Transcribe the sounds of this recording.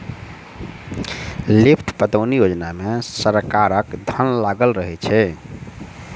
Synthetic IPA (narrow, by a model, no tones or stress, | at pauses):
lipʰʈʰpət̪əʊnijod͡ʒnamesəɾkaɾəkd̪ʱənlaɡəlɾəɦɛt͡ʃʰɛ